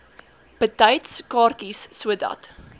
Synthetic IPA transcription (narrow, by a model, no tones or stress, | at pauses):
b̥ətɐjtskɑːrkisːuədɐ̰t